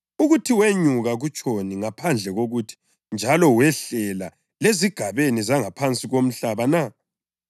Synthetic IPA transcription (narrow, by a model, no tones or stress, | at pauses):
uɣutʰiweɲuɣaɣut͡ʃʼoniŋapʰand͡ɮʱɛɣoɣutʰi̥ | nd͡ʒʱalɔwɛɬɛla | leziɡ̥ʱaβenizaŋapʰant͡sʼiɣom̩ɬaβana